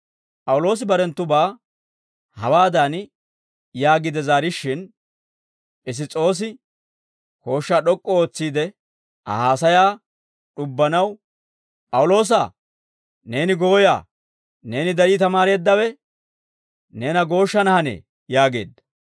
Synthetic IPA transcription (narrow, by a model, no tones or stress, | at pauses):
pʼɐwlo̞ːs̬ɪbɐɾɛnt̪ːʊbaː | hɐwaːd̪an | jaːɡɪd̪ɛzaːɾɪʃːɪn | ʔɪs̬ɪt͡sʼo̞ːs̬ɪ | ko̞ːʃːaːɗɔkʼːɔoːt͡sːiːd̪ɛ | ʔɐ̰haːsɐjaː | ɗʊbːɐnɐw | pʼɐwʊlo̞ːs̬aː | ne̞ːnɪɡo̞ːja̰ː | ne̞ːnɪd̪ɐɾiːt̪ɐmaːɾe̞ːd̪ːɐwɛ | ne̞ːnɐɡo̞ːʃːɐnɐhɐnḛː | jaːɡe̞̰ːd̪ːɐ